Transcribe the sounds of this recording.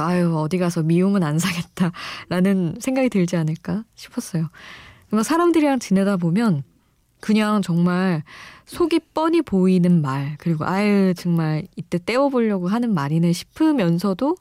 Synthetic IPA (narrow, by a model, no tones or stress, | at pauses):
ajɯʌdiɡasʰʌmiumɯnansʰaɡe̞t̚t͈aɾanɯnsʰe̞ŋɡaɡitɯɭd͡ʑianɯɭk͈aɕʰi̥pʰʌs͈ʌjokɯɾɯkasʰaɾamdɯɾiɾaŋt͡ɕinedabomjʌn | kɯɲaŋt͡ɕʌŋmaɭsʰoɡip͈ʌɲipoinɯnmaɭkɯɾiɡoʔajɯt͡ɕɯŋmaɾit͈e̞t͈e̞wʌboʎːʌɡoɦanɯnmaɾinɯɕʰi̥pʰɯmjʌnsʰʌdo